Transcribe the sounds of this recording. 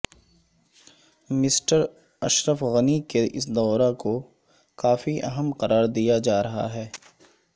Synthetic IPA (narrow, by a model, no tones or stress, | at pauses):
mɪsʈəɾ | ɐʃɾəfɣɐnikeʔɪ̰sd̪ɔːɾako | kaːfiʔɐ̰ɦəmqɐɾaːɾd̪ijad͡ʒaːɾɐɦa̰ɦɛː